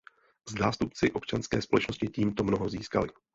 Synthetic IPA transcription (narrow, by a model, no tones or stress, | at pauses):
zzaːst̪up̚t͡sɪʔo̞pt͡ʃanskɛ̰ːspo̞lɛt͡ʃnoscɪciːmt̪o̞mno̞ɦo̞ziːska̰lɪ